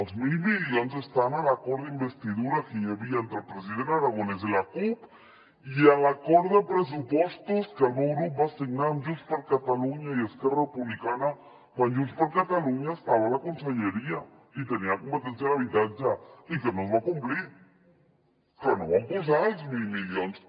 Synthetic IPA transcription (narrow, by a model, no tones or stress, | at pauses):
ozmilβiðjonsest̪analakoɾðeimbest̪iðuɾakiɲeβiaent̪ɾelpɾes̬iðenaɾaɣones̬elakup | ialakoɾðepɾes̬upwest̪oskalɣuɣɾup̚basiɡnand͡ʒust̪paɾkat̪aluɲajeskerarepuβlikana | kwand͡ʒust̪paɾkat̪aluɲaest̪aβalakonseɲeɾia | it̪eniakompet̪ens̬janaβit̪atd͡ʒaikenozβakumpliɾ | kenoβampus̬alsmilmiljons